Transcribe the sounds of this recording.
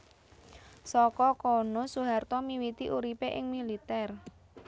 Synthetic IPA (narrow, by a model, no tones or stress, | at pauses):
sɔkɔkɔnosuɦart̪ɔmiwit̪iʔuɾipeʔɪŋmilit̪ɛr